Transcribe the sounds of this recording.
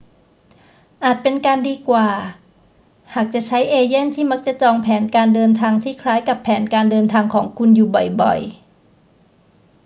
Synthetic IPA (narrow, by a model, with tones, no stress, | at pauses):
ʔaː˨˩t̪̚pe˧nkaː˧ndiː˧kwaː˨˩ | haː˨˩k̚t͡ɕa˨˩ʔt͡ɕʰa˦˥jʔeː˧je˥˩˨nt̪ʰiː˥˩ma˦˥k̚t͡ɕa˨˩t͡ɕɔː˧ŋpʰɛː˩˦nkaː˧ndɤː˧nt̪ʰaː˧ŋt̪ʰiː˥˩kʰɾaː˦˥jka˨˩pʰːɛː˩˦nkaː˧ndɤː˧nt̪ʰaː˧ŋkʰɔː˩˦ŋkʰu˧njuː˨˩bɔ˨˩jbɔ̰˨˩j